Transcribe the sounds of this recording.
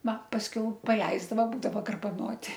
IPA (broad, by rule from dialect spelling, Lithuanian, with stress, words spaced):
ˈʋɐ pɐsʲˈkʲɛʊ pɐˈlʲɛɪzdɐʋoː ˈbuːdɐʋoː ɡɐrbɐˈnoːtʲɪ